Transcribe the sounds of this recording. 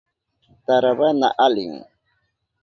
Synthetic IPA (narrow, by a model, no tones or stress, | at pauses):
t̪aɾaβana̰ʔalɪ̰ŋ